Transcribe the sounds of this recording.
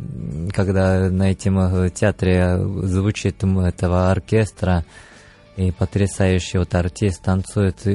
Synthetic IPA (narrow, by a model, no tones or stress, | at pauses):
kaɡd̪anɐɛt̪ʲɪmtʲat̪ɾʲezvʊt͡ʃit̪mɛt̪əvəɐrkʲest̪ɾə | ipət̪ɾʲɪsajʊɕːɪot̪ɐrt̪ʲist̪ɐnt̪sujɪt̪